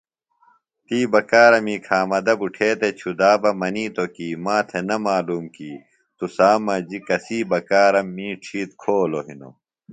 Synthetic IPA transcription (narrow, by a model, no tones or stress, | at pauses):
t̪iːbɐkaːɾɐmiːkʰaːmɐd̪ɐbuʈʰeːt̪et͡ɕʰud̪aːbɐmɐniːt̪okiːmaːt̪ʰenɐmaːluːmkiː | t̪usaːmɐd͡ʑikɐsiːbɐkaːɾɐmːiːʈ͡ʂʰiːt̪̚kʰoːloɦino̰